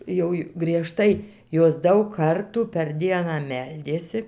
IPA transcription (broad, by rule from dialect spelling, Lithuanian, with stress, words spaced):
ˈjɛʊ jʊ ɡrʲiɛˈʃtɐɪ ˈjoːs ˈdɐʊk ˈkɐrtuː pʲɛr ˈdʲiɛnɑː ˈmʲɛlʲdʲeːsʲɪ